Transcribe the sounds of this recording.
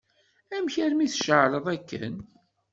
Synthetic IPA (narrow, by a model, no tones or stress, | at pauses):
æmçæɾmiθʃəʕɾˤəðˤækːə̰n